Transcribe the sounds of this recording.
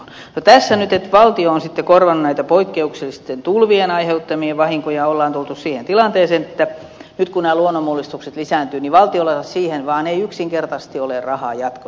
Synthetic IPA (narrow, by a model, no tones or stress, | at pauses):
not̪æsːænyt̪et̪ʋɑlt̪ioonsit̪ːekorʋɑnːunnæit̪æpoikːeukselːˑist̪ent̪ulʋienɑiheut̪ːɑmieʋʋɑhiŋkojɑolːɑːnt̪ult̪ussiːhent̪ilɑnt̪eːseːnet̪ːæ | nyt̪kunæːluonːomulːist̪ukset̪lisæːnt̪yːniʋɑlt̪iolːɑsɑssiːhenʋɑːneiyksiŋkert̪ɑsst̪iolerrɑhɑ̰ːjɑt̪ko̥